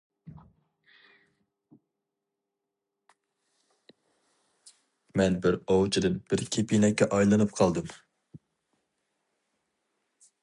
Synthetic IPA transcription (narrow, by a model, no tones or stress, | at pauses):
mɛnbɪɾowt͡ʃʰid̪ɨnb̥ɪɾkʲʰepʰinɛkʲːɛʔɑjlˠɨnɨp̚qʰɑlˠd̪ɨm